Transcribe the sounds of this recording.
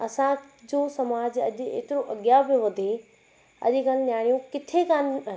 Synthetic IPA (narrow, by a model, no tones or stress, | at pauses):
ɐsã | d͡ʑoːsɐmaːd͡ʑɐʄḛːt̪ɪɾoʔɐɡjabɪʋɐd̪ʱe | ɐ̰ʄkannjaːɽijũkɪt̪ʰekan